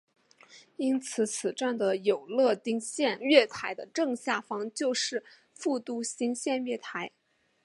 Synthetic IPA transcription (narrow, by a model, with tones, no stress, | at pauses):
i˥nt͡sʰɹ̩˨˧˥t͡sʰɹ̩˨˩ʈ͡ʂa˥˩nd̪ə˩jo˨˩ʊlɤ˥˧t̪i˥ŋɕjɛ˥˧nɥɛ˥˩t̪ʰa˧˥ɪd̪ə˧ʈ͡ʂɤ˥˧ŋɕja˥˩fɑ˥ŋt͡ɕjo˥˧ʊʂɻ̩˥˧ | fu˥˧t̪u˥ɕi˥ŋɕjɛ˥˧nɥɛ˥˩t̪ʰa˧˥ɪ